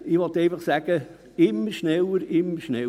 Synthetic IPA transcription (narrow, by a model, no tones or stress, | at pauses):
ɪʋɔt̪ɛɪfɑχsæɡ̥ə | ɪmːəɾʃnɛləɾɪmːəɾʃnɛ